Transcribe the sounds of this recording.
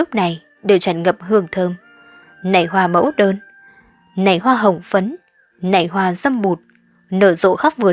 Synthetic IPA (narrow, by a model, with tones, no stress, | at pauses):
ʊ˦˥k͡p̚na˨˩j | ɗe˨˩wt͡ɕa˨˩nŋə˨˩p̚ɦɨ˧əŋt̪ʰəː˧m | na̰˧˩jɦwaː˧˩mə̰˧˥wɗəː˧n | na̰˨˩jhwaː˧ɦə˨˩wŋ͡mfə˨˦n | na̰˧˩jɦwaː˧˩zə˧mɓu˨˩t̚ | nəː˧˩zo̰˧˥xa˦˥k͡p̚vɨ˨˩ə